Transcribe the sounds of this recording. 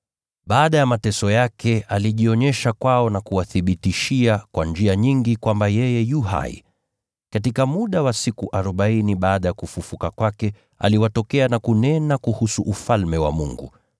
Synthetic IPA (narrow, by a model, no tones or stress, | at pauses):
ɓaːɗajamatɛsɔjakɛaliʄiɔɲɛʃakwaɔnakuwaθiɓitiʃiakwand͡ʒiaɲiŋɡikwambajɛjɛjuɦa̰ḭ | katikamuɗawasikuʔaɾɔɓainiɓaːɗajakufufukakwakɛ | a̰liwatɔkɛanakunɛnakuhusuʔufalmɛwa̰mṵŋɡṵ